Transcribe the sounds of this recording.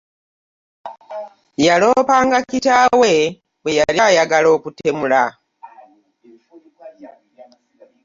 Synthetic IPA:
jalo̞paːŋɡakcitawe | bwejaɾjajaɡalo̞ːkute̞mula

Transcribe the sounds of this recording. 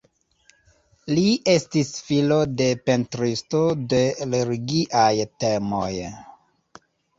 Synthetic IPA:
liʔe̞stisfilo̞de̞pe̞ntɾistode̞leɾiɡiʔajtemo̰j

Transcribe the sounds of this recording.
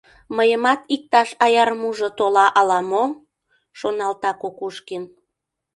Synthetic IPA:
məjəmɑt̪ik̚t̪ɑʃɑjɑrmuʒŏt̪olɑʔɑlɑmo | ʃonɑlt̪ɑkokuʃkin

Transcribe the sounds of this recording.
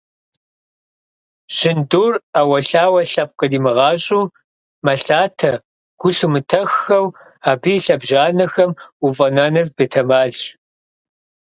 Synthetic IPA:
ɕɪnduːraːwɐɬaːwɐɬɐp̚qʼədiːmɨʁɑːɕʼuː | mɐɬaːtʰɐ | ɡ̥ʷʊɬumɨtʰɐxːɐw | aːbijɬɐbʒaːnɐxɐmuvʼɐnɐnɨrbeːtʰɐmaːɮ

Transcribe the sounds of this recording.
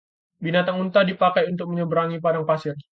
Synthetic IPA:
binat̪aŋunt̪adipakajunt̪ʊk̚məɲəbəɾaŋipadaŋpasɪr

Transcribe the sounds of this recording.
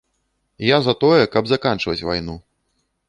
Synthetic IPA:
jazɐt̪ɔjɛkɐbzakant͡ʂvɐt͡sʲva̰jnu

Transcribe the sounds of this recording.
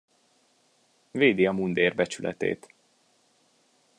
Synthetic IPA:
veːd̪iɒmund̪eːrbɛt͡ʃylʔɛ̰t̪ḛːt̪

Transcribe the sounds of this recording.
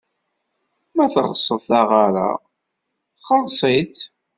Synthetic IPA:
mæθəʁsˤəðθaʁaɾa̰ | χəɾˤsˤit̪

